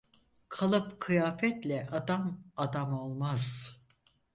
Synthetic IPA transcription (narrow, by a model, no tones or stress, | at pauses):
kʰalˠɯpkʰɯjaːfɛt̪lʲɛʔad̪amad̪amo̞lˠmaz̥